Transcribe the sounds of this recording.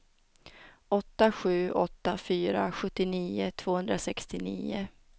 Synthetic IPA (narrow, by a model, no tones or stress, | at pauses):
ɔt̪ːaɧʉ̟ːʔɔt̪ːafyːɾa̰ɧɵt̪ːɪniːʊt̪ʰv̥oːhɵnd̪ɾasɛkst̪ɪnḭːʊ